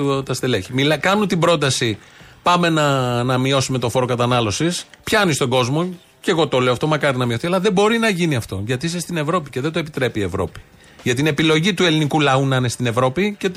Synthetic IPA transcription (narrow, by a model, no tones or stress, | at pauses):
t̪ɐst̪eleçimilɐkɐnut̪ibɾo̞t̪̬ɐsipɐme̞nɐnɐmio̞sume̞t̪o̞fo̞ɾo̞kɐt̪ɐnɐlo̞sis | pçɐnist̪o̞ɡo̞zmo̞ | ce̞ɣo̞t̪o̞le̞oɐft̪omɐkɐɾinɐmio̞θiɐlɐðe̞bo̞ɾinɐʝiniɐft̪o̞ʝɐt̪iis̬est̪ine̞vɾo̞pice̞ðed̪oe̞pit̪ɾe̞piːe̞vɾo̞̰pi̥ | ʝɐt̪ine̞pilo̞ʝit̪ue̞linikulɐunɐinest̪ine̞vɾo̞pice̞